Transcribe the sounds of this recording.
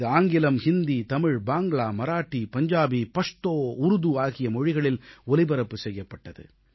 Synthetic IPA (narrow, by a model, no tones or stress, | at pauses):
ɯaːŋɡɪlɐmhɪnd̪it̪ɐmɪɻbaːŋɡɭaːmɐɾaːʈːipɐɲd͡ʒaːbipɐʂt̪oːʊɾʊðuaːɣɪjɐmɔɻɪɣɐɭɪlɔlɪbɐɾɐpːɯsɛjːɐpːɐʈːɐðɯ̰